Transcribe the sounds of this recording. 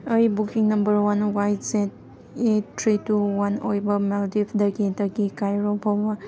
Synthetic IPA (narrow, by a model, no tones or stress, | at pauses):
ʌjbukiŋnɐmbəɾwanwajtset̚ | etʰɾituwanojbɐmaldipʰdəɡidəɡikajɾobʱoba